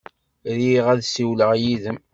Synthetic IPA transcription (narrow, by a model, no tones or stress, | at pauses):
ɾiʁæðsiwləʁjiðəm